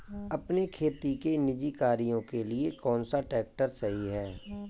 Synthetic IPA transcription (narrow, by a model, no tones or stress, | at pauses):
ɐpnekʰeːt̪ikenɪd͡ʒikaːɾijõkeliekɔːnsaʈɛːk̚ʈəɾsɐɦiɦɛː